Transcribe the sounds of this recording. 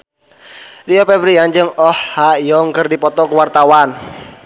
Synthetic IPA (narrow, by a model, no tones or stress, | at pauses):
riɔpɛbɾiand͡ʒɨŋɔhːaijɔŋkərdipɔt̪ɔkuwart̪awan